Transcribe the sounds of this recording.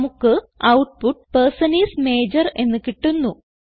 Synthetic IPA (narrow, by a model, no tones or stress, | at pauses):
mukːɨ | ɐwʈ̚puʈ̚persɐniːsme̞ːd͡ʑɐre̞nːɨkiʈːunːu